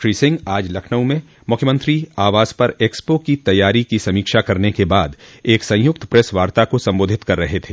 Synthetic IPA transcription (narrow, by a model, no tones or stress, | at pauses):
ɾisɪ̃ŋɡaːd͡ʒlɐkʰnə̃mẽ | mʊkʰjəmə̃nt̪ɾiaːʋaːz̥pɐɾeːkspokit̪ɐjːaːɾikisɐmiːkʃakɐɾnekebaːd̪eːksɐ̃j̃jʊk̚t̪pɾɛsʋaːɾt̪akosɐ̃mboːd̪ʱɪt̪kɐɾːɐɦet̪ʰeː